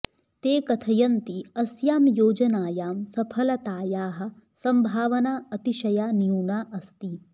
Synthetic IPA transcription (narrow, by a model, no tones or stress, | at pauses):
t̪eːkɐt̪ʰɐjɐnt̪iɐsjaːmjoːd͡ʒɐnaːjaːmsɐpʰɐlɐt̪aːjaːɦɐ̆ | sɐmbʱaːʋɐnaːɐt̪iʃɐjaːnjuːɳaːʔɐst̪i